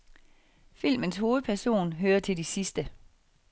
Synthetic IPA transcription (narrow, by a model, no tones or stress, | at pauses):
fil̰mənsho̝ːð̞̩ˠpʰæɐso̝̰ːnɦøːɐt͡sʰe̝ldisisd̥ə